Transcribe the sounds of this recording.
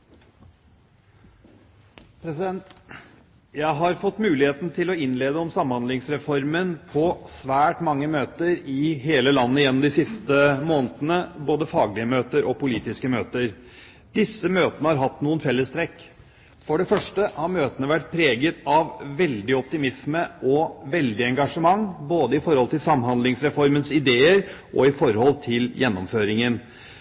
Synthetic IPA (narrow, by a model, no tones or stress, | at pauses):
pʰɾɛsɪd̪ɛnt̪ | jæɪɦɑɾfɔt̪ːmʉːlɪheːt̪n̩t̪ʰɪlɔɪnːleːd̪əɔmsɑmːhɑnd̪ɪŋsɾɛfɔɾmənpʰɔsʋæːʈmɑŋːəmøːt̪əɾɪɦeːləlɑnːəjɛnːɔmd̪ɪsɪst̪əmoːnət̪ənəboːd̪əfɑːɡlɪəmøːt̪əɾʔɔpʊliːt̪ɪskəmøːt̪əɾ | d̪ɪsːəmøːt̪ənəhɑɾɦɑt̪ːnuːənfɛlːəst̪ʰɾɛkː | fɔɖɛfœʂʈəhɑɾmøːt̪ənəʋæʈ̚pʰɾeːɡət̪ɑʋʋɛld̪ɪɔp̚t̪ɪmɪsməʔɔʋɛld̪ɪɛŋɡɑʂəmɑŋboːd̪əɪfɔɾhɔlt̪ɪlsɑmɦɑnd̪lɪŋsɾɛfɔɾmənsɪd̪eːəɾʔɔɪfɔɾhɔlt̪ʰɪljɛnːɔmføːɾɪŋən